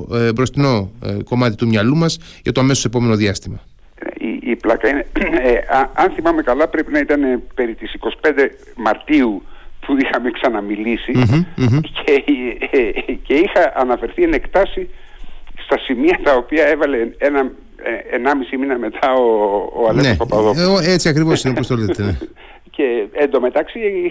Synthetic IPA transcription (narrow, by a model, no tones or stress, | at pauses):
bɾo̞st̪ino̞ko̞mɐt̪it̪umɲɐlumɐs | ʝɐt̪oɐme̞sose̞po̞me̞no̞ðiɐst̪imɐ | ḛḭiplɐkɐineeɐɐnθimɐme̞kɐlɐpɾe̞pinɐit̪ɐne̞pe̞ɾit̪isiko̞si̥pe̞nd̪e̞ | mɐɾt̪iupuixɐme̞ksɐnɐmilisi | cʰe | ce̞ixɐʔɐnɐfe̞ɾθienekt̪ɐsi | st̪ɐsimiɐt̪ɐo̞piɐe̞vɐle̞enɐ | eenɐmisiminɐme̞t̪ʰɐoːɐlenepɐpɐðooet͡siɐkɾivosinopost̪olizt̪ene | ceend̪o̞me̞t̪ɐksi